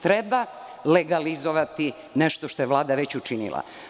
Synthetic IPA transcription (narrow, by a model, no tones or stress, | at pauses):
t̪ɾebaleɡalizoʋat̪i | neʃt̪oʃt̪o̞jeʋlˠaːd̪aʋet͡ɕut͡ʃinḭlˠa̰